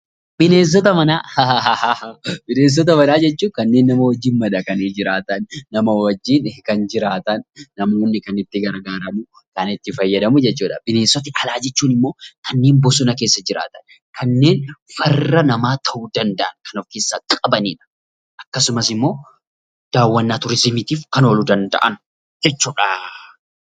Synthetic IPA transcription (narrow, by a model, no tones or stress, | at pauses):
b̥ɪne̞ːs̬ɔt̪ɐmɐnaːh | b̥ɪneːs̬ːɔt̪̬ɐmɐnaːd͡ʒɛt͡ʃːuːkɐnːe̞ːnːɐmɐwɐd͡ʒːiːnmɐᶑɐkɐned͡ʒɪɾaːt̪ɐnːɐmɐwɐd͡ʒːiːnkɐnd͡ʒɪɾaːt̪ɐnːɐmoːnːɪkɐnɪt̪ːɪɡɐɾɡaːɾɐmʊ | kɐnɪt̪ːɪfɐjːɐd̪ɐmʊd͡ʒɛt͡ʃːuːᶑɐ̰bɪne̞ːsːɔt̪ɪʔɐlaːd͡ʒɛt͡ʃːuːnɪmːo̞ːkʰɐnːe̞ːnbɔs̬ʊnɐke̞ːsːɐd͡ʒɪɾa̰ːt̪ɐ̥n | kɐnːe̞ːnfɐrːɐnɐmaːt̪ʰɐʔud̪ɐnd̪ɐʔɐnkɐnɔfkeːsːaːkʼɐbɐnḭːᶑɐ̥ | ʔɐkːɐsʊmɐsɪmːo̞ː | d̪̥aːwːɐnːaːt̪ʊɾɪsɪmɪt̪iːfkɐno̞ːlud̪ɐnd̪ɐ̰ʔɐ̰n | d͡ʒɛt͡ʃːuːᶑa